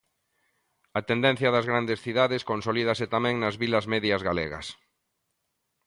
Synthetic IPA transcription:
ɐt̪end̪ɛ̃n̟θjɐðɐzɣɾand̪esθiðaðeskonsolið̞ɐsɪt̪amɛ̃ŋnɐzβilɐzmɛðjɐzɣalḛɣɐ̰s

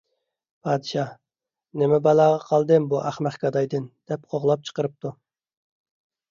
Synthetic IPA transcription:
pʰɑːd̪ɨʃɑ | nemɪbɑlˠɑːʁɑqʰɑlˠd̪ɨmbuʔæχmæχkʲɑd̪ɑjd̪ɨnd̪̥ɛp̚qʰoʁlˠɑp̚t͡ʃʰə̥qəɾɨp̚t̪u

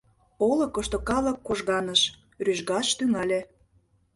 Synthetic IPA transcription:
olɤ̆kə̆ʃt̪okɑlə̆kːoʒɣɑnəʃ | ryʒɡɑʃt̪yŋɑlʲĕ

